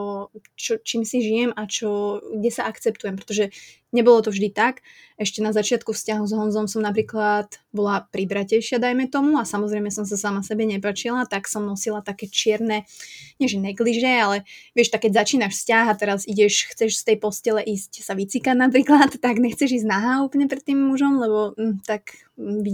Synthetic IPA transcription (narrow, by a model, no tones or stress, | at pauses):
ɔt͡ʃɔt͡ʃiːmsiʒijɛmat͡ʃɔɡɟɛsaʔakt͡sɛp̚t̪ujɛmpɾɛ̥t̪ɔʒɛ | ɲɛbɔlɔt̪ɔvʒd̪it̪ak | ɛʃcɛnazat͡ʃɪat̪kufscaɦuzɦɔnzɔmsɔmnap̬ɾiːklat̪bɔlapɾibɾacɛjʃɪad̪ajmɛt̪ɔmuasamɔzɾɛɪmɛsɔms̬asamasɛbɛɲɛpat͡ʃilat̪aksɔmnɔsilat̪akɛːt͡ʃɪɛɾnɛɲɪɛʒɛnɛɡliʒɛalɛʋɪɛʃt̪akːɛɟzat͡ʃiːnaʃfscaɦat̪ɛɾaziɟɛʃxt͡sɛʃst̪ɛjpɔscɛlɛʔiːscsaʋit͡sikadnap̬ɾiːklat̪ːaɡɲɛxt͡sɛʒiːznaɦauːpl̩ɲɛpɾɛt̪ːiːmːuʒɔmlɛbɔt̪ak | ʋi